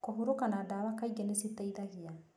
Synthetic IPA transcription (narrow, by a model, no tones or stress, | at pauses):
kɔɦuɾukanadaːwakaiɡɛnesit̪aiðaɡija